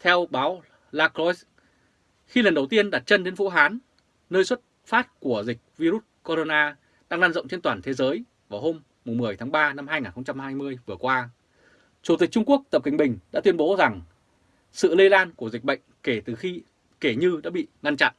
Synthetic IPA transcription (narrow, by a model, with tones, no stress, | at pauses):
t̪ʰɛ˧wɓaː˨˦w | laː˧klɔ˧˦js | xi˧lə˨˩nɗə˨˩wt̪i˧ənɗa˨˩t̚t͡ɕə˧nɗe˨˧˦nvṵ˧˥ɦaː˨˦nː | əː˧jswə˦˥t̚ | faː˦˥t̚ku˧˩əzï˨˩k̟̚vi˧ɾu˦˥t̚ko˧ɾo˧naː˧ | ɗa̰ː˧ŋlaː˧nzə̰˧˨ŋ͡mt͡ɕe˧nt̪waː˨˩nt̪ʰe˨˦zəː˨˦j | vaː˨˩wɦo˧mːʊ˨˩ŋ͡mmɨ˨˩əjt̪ʰaː˨˦ŋɓaː˧na˧mhɦaː˧jŋaː˨˩nxə˧ŋ͡mt͡ɕa˧mhaː˧jmɨ˧əjvɨ˨˩əkwaː˧ | t͡ɕu˧˩t̪ï˨˩k̚t͡ɕʊ˧ŋ͡mku˦˥ək̚t̪ə˨˩p̚kï˨˩ŋ̟ɓï˨˩ŋ̟ɗa̰˧˥t̪wi˧ənɓo˨˦za˨˩ŋ | sɨ̰˧˨le˧laː˧nku˧˩əzi˨˩k̟̚ɓə̰˧˨jŋ̟ke˧˩t̪ɨ˨˩xi˧ | ke˧˩ɲɨ˧ɗa̰ː˧˥ɓḭ˧˨ŋa˧nt͡ɕa̰˧˨nʔ